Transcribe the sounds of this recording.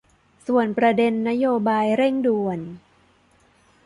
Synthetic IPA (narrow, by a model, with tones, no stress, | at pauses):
su˨˩ənpɾa˧de˧nːa˦˥joː˧baː˧jɾe˥˩ŋdu˧ən